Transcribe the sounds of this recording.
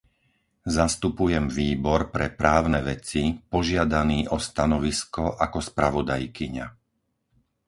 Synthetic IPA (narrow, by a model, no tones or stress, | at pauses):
zast̪upujɛmʋiːbɔɾpɾɛpɾaːʊnɛːʋɛt͡sipɔʒɪad̪aniːʔɔst̪anɔʋiskɔʔakɔspɾaʋɔd̪ajkiɲa̰